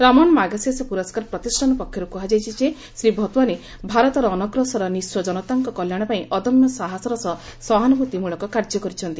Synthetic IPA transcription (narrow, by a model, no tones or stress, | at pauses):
ɾamɔɽ̃ɔmaɡasjasepuɾɔskaɾpɾɔt̪isʈʰanɔpɔkʰːjɔɾukuɦad͡ʒajt͡ʃʰit͡ʃe | sɾibʱɔt̪waɾe | bʱaɾɔt̪ɔɾɔːnɔɡɾɔsɔɾɔniswɔd͡ʒɔnɔt̪aŋkɔkɔljaɽ̃ɔpaĩʔɔd̪ɔmjɔsaɦasɔɾɔsɔsɔɦanɔbut̪imuɭɔkɔkaɾd͡ʒɔkɔɾit͡ʃʰɔnt̪i